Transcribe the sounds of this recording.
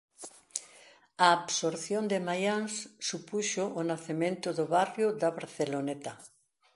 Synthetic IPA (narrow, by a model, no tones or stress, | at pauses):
aːβsoɾθjond̪emajaŋssupuʃʊʔːnaθemẽnt̪ʊðʊβarjʊðaβaɾθelonet̪a